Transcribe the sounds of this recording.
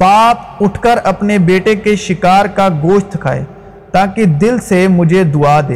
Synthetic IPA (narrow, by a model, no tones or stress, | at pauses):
paːp̚ʊʈʰkəɾɐpnebeːʈekeʃɪkaːɾkaɡoːʃt̪kʰa̰ːḛː | t̪aːkid̪ɪlsemʊd͡ʒʱed̪ʊaːd̪ḛː